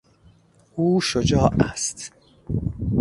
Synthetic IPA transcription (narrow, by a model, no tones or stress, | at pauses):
ʔuːʃod͡ʒɒːʔæ̰st̪